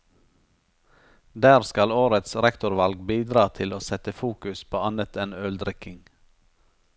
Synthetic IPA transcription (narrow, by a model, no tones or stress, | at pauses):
d̪æːɾskɑloːɾət̪sɾɛkt̪ʊɾʋɑlɡbiːd̪ɾɑːt̪ʰɪloːsɛt̪əfuːkʉspʰoːɑnət̪ʰɛnœld̪ɾɪkɪŋ